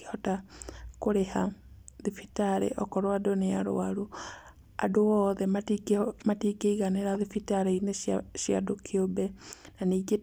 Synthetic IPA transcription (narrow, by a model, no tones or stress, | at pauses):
hɔtakoɾehaðifitaɾḛʔɔkɔɾoadonea̰ɾo̰aɾu | a̰doɔːðɛmamatikeiɣaneɾaðifitaɾeineʃja̰dokʰiobɛnaniːɡe